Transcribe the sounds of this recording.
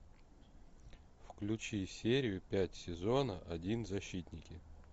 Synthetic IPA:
fklʲʉt͡ɕisʲeɾʲɪjʊpʲætʲsʲɪzonəʔɐdʲinzɐɕːit̪ʲnʲɪkʲɪ

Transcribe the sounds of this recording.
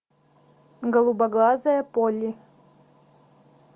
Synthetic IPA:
ɡɐlˠubɐɡlˠazɐjɐpolʲi

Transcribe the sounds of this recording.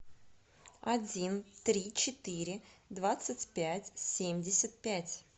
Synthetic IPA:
ɐdʲint̪ɾʲit͡ɕɪt̪iɾʲɪd̪vat̪sətʲpʲætʲsʲemʲdʲɪsʲət̪̚pʲætʲ

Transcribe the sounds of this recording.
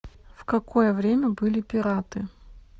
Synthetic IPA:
fkɐkʰo̞jəvɾʲemʲəbɨlʲɪpʲɪɾat̪ɨ

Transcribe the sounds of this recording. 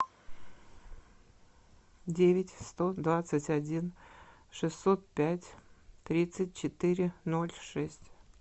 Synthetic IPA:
dʲevʲɪtʲst̪od̪vat̪sətʲɐdʲinʂɨsːot̪̚pʲætʲt̪ɾʲit̪sɨt̚ʲt͡ɕɪt̪ɨɾʲɪno̞lʲʂɛsʲtʲ

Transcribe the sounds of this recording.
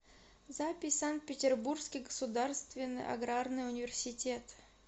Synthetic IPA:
zapʲɪsʲsant̪̚pʲɪtʲɪrburskʲijɡəsud̪arst̪vʲɪnːɨ̰jʔa̰ɡɾarnɨjʊnʲɪvʲɪrsʲɪtʲet̪

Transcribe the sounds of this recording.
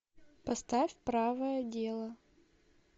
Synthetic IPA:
pɐst̪afʲpɾavəjədʲelˠə

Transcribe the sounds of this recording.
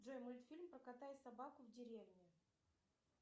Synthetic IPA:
ʐojmulʲt̪fʲilʲmpɾəkat̪ajɪt̪sabakʊvdʲɪɾʲevnʲɪ

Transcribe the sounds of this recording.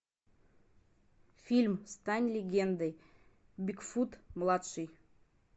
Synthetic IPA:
fʲilʲmst̪anʲlʲɪɡʲend̪əj | bʲikfut̪mlˠat̪ʂɨj

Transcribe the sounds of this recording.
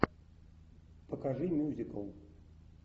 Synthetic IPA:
pɐkaʐɨmʲuzʲikɐw

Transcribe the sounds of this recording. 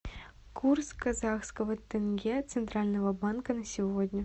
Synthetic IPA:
kʰurskazɑxskəvət̪ʲːɘnɡʲet̪sɨnt̪ralʲnəvəbɑnkənɐsʲivodʲnʲə

